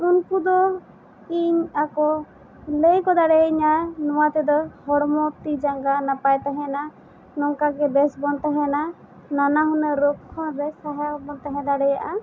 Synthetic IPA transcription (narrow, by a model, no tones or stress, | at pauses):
unkud̪ɔ | iɲakɔ | ləjkɔd̪aɽɛɲanɔwat̪ɛd̪ɔhɔɽmɔt̪id͡ʒaŋɡanapajt̪aɦɛ̃na | nɔŋkaɡɛbɛsbɔnt̪aɦɛ̃na | nanaɦɔnəɾɔp̚kʰɔnbɛsaɦabɔnt̪aɦɛ̃d̪aɽɛjaʔa